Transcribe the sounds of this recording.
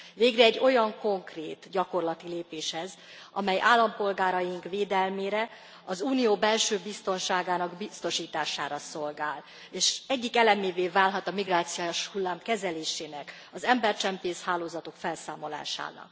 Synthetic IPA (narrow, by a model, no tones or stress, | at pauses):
veːɡrɛːɟːo̞jɒŋko̞ŋkreːt̪ɟɒko̞rlɒt̪ileːpeːʃhɛz | ʔɒ̰mɛjʔaːlːɒmpo̞lɡaːɾɒjiŋkveːd̪ɛlmeːɾɛ | ɒzuːnijoːbɛlʃøːbist̪o̞nʃaːɡaːnɒɡbist̪o̞ʃiːt̪aːʃaːɾɒso̞lɡaːl | eːʃɛɟːikɛlɛmeːveːvaːlɦɒt̪ɒmiɡraːt̪sijʃhulːaːmkɛzɛleːʃeːnɛk | ɒzɛmbɛrt͡ʃɛmpeːshaːloːzɒt̪o̞kfɛlsaːmo̞la̰ːʃa̰ːnɒ̰k